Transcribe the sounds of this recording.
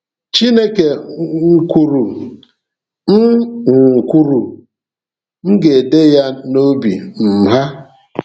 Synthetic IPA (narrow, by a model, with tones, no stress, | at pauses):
t͡ʃi˦ne˦ke˨ŋ̩˦ku˦ɾu˨ | m̩˦ŋ̩˨ku˦ɾu˨ | ŋ̩˦ɡe˨de˦ja˦no˦bḭ˨m̩˨ɦa˦